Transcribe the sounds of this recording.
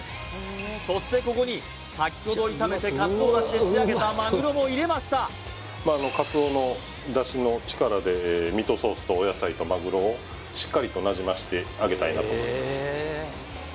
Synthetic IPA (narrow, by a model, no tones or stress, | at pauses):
so̞ɕi̥t̪e̞ko̞ko̞ɲ̟i | sakʲːo̞d̪o̞ɾʲit̪ame̞t̪e̞kat͡sɨo̞ːd̪aɕid̪eeaɡe̞t̪amaɡɯ̟ɾo̞mo̞iɾe̞maɕi̥t̪a | maːno̞kat͡sɨo̞ːno̞ | d̪aɕino̞t͡ɕi̥kaɾad̪e̞mʲit̪o̞so̞ːsɨ̥t̪o̞ːjasait̪o̞maɡɯ̟ɾo̞ː | ɕi̥kːaɾʲit̪o̞naʑimaɕi̥t̪e̞aɡe̞t̪aina̰t̪moimasɨ̥